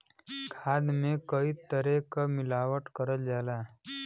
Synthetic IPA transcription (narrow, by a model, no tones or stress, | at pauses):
kʰaːd̪mẽkəit̪əɾekamɪlaːwəʈkəɾəld͡ʒaːlaː